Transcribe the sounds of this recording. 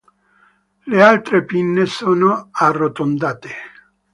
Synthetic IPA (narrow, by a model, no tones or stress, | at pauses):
lealt̪ɾepinːesɔːnoarːot̪ond̪aːt̪e